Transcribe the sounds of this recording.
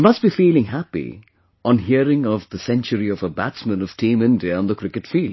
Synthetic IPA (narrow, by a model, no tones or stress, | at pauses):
mʌstb̥ifiːlɪ̃ŋɦæpḭ | ʔə̃nɦiəɾɪ̃ŋʌvðəsɛ̃nt͡ʃəɾiʌvəbæ̰tsmə̃nʌv̥tʰĩmɪ̃ndiə̃nðəkʰɹ̥ɪkɨtfiːld